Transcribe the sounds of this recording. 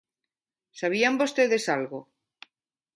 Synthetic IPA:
saβ̞iambost̪eðe̞salɣo

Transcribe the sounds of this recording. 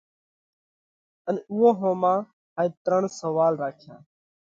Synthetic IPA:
ənʊɦõːɦõːmãː | haːiːt̪ɾəɳsəʋaːlɾaːkʰjã̰ː

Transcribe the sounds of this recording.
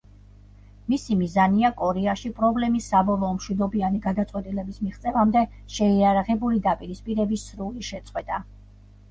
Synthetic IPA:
misimizaniakʼɔɾɛaʃipʼɾɔblɛmisːabɔlˠɔːmʃwid̪ɔbianiɡad̪at̪sʼqʼwɛt̪ʼilɛbismiʁt̪sʼɛvamd̪ɛ | ʃɛiaɾaʁɛbulid̪apʼiɾispʼiɾɛbisɾuliʃɛt̪sʼqʼwɛt̪ʼa

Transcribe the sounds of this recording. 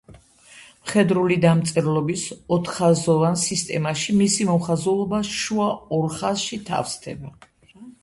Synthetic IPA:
mχɛd̪ɾulid̪amt̪sʼɛɾlˠɔbisɔt̪ʰχazɔvansist̪ʼɛ̰maʃimisimɔmχazulˠɔbaʃuaɔɾχasʃit̪ʰa̰fst̪ʰɛ̰ba

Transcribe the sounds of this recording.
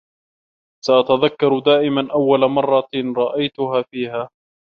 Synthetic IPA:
saʔat̪aðakːɑɾˤd̪aːʔɪmanʔawːalamɑrˤːɑɾˤɑʔajt̪ʊɦaːfiːhaː

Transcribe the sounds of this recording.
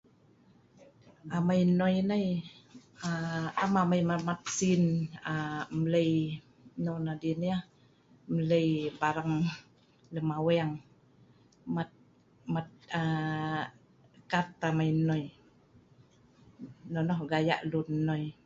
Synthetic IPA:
amajnɔjnəj | aamamajmamat̪̚sinamələj | nɔnadinia | mələjbaɾaŋ | ləmawɛaŋ | mat̪̚ | mat̪̚a | kat̪amajnɔj | nɔnɔhɡaja̰ʔlunnːɔj

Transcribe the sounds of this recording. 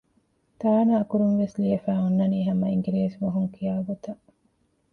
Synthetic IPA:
t̪aːnaːkuɾunʋesliɐfæːunːɐniːɦɐmɐiŋɡiɾeːsʋoɦuŋkʰijaːɡot̪ɐ

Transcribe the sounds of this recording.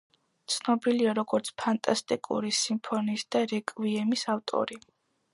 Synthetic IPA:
t̪sʰnɔbiliaɾɔɡɔɾt̪sʰpʰant̪ʼast̪ʼikʼṵɾisimpʰɔnisd̪̥aɾɛkʼviɛmisaft̪ʼɔ̰ɾi

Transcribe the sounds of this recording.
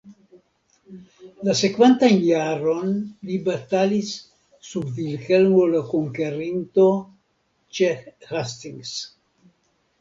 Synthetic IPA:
lasekvent̪anjaɾo̞nlibat̪alisː | ubvilkelmolakoŋkeɾint̪o̞ | t͡ʃehast̪iŋɡs

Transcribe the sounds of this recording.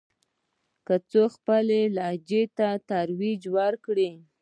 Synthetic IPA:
kət͡soxpəlelɑd͡ʒet̪at̪aɾwid͡ʒwaɾkɽi

